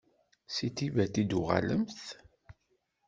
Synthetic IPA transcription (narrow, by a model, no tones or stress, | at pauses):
sit̪ivæt̪id̪uʁa̰lə̰mθ